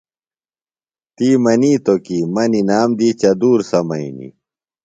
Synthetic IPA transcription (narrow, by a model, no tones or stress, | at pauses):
t̪iːmɐniːt̪okiːmɐninaːmd̪iːt͡ɕɐd̪uːɾsɐmɐ̰inḭ